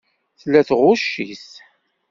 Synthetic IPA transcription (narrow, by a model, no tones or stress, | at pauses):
θlːæθʁʊʃːis